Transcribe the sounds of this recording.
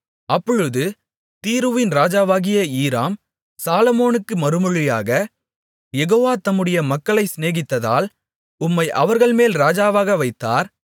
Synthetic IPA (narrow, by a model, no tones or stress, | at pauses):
ɐpːɔɻɯðɯ | t̪iːɾɯʋɪnɾaːd͡ʒaːʋaːɣɪjɐiːɾaːm | saːlɐmoːnɯkːɯmɐɾɯmɯɻɪja̰ːɣɐ | jɛɣoːʋaːt̪ɐmːɯɽɐjɐmɐkːɐɭɐɪsneːɣɪt̪ːɐða̰ːl | ʊmːɐɪʔɐʋɐɾɣɐɭmeːlɾaːd͡ʒaːʋaːɣɐʋɐɪt̪ːa̰ːɾ